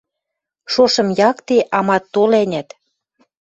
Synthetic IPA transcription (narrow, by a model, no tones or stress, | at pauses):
ʃoʃɤ̆mjɑkt̪eʔɑmɑt̪ːolænʲæt̪